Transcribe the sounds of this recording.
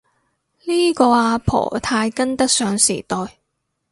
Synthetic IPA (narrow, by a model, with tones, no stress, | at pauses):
liː˥kɔː˧aː˧pʰɔ̰ː˨˩t̪ʰaː˧jkɐ˥nt̪ɐ˥k̚sœː˨˧ŋsḭː˨˩t̪ɔː˨˧j